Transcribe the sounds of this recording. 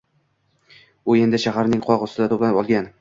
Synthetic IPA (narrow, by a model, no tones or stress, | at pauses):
ʊe̞nd̪ɪʃaɦaɾnɪŋqʰɒʁʊsɪd̪at̪ʰoplanpɒlˠɡʲan